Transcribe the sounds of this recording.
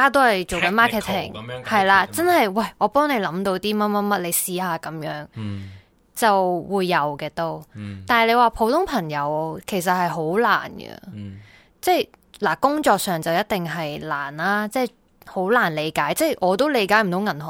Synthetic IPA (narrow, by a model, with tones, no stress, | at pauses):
aː˥t̪̬o˥hɐ˨jt͡ʃo˨wkɐ˨˧˥nmaː˥kʰɛː˨˩t̪ʰɪ˨˩ŋhɐ˨jlaː˧t͡sɐ˥nhɐ˨jwɐ˥˩jɔː˨˧pɔː˥ŋne˨˧jlɐ˨˥mt̪o˧wt̪iː˥ma˥ma˥mɐ˥t̚le˨˧jsiː˧haː˨˧kɐ˨˥mjœː˨˥ŋ | t͡sɐ˨wwuː˨˧jːɐ˨˧wkɛː˧t̪o˥wt̪aː˨n˩le˨˧jwaː˨˩pʰo˨˥wt̪ʰʊ˥ŋpʰɐ˨˩ŋjɐ˨˧˥wkʰe˨˩s̬ɐ˨t̚hɐ˨jɦo˨˥wla̰ː˨˩nɡə̰˧ | t͡sɛː˥j | laː˨˩kʊ˥ŋt͡ʃɔː˧k̚sœː˨ŋt͡sɐ˨wjɐ˥t̚t̪ɪ˨ŋɦɐ˨jla̰ː˨˩nlaː˥t͡sɛː˥j | ho˨˥wlaː˨˩nle˨˧jkaː˨˥jt͡sɛː˥˩jʔɔː˨˧t̪o˥wle˨˧jkaː˨˥jm̩˨˩t̪o˨˧wŋɐ˨˩nhɔ˨˩